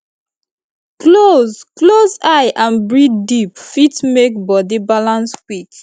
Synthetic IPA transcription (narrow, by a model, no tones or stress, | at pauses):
klozklozaɪʔãnbɹiddipfitmekbɔdibalãnskwik